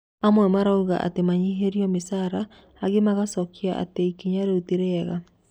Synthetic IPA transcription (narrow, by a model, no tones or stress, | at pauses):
amwɛmaɾauɣa̰ʔa̰temaɲiɦeɾiɔmesaɾa | aɣemaɣasɔkia̰ʔa̰teikiɲaɾeuteɾeɛɣa